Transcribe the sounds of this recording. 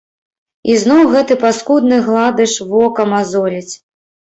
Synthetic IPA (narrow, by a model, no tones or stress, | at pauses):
iznɔwɣɛt̪ɨpaskud̪̚nɨɣlˠad̪ɨʂvɔkɐmazɔlʲit͡sʲ